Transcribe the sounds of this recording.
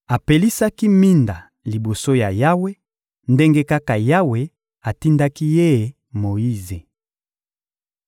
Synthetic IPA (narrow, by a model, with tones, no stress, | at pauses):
a˨pe˨li˦sa˦ki˦mi˦nda˨ | li˨bo˨so˦ja˨ja˦we˦ | nde˦ŋɡe˦ka˦ka˨ja˦we˨ | a˨ti˦nda˦ki˦je˦˨ | mo˨i˦ze˨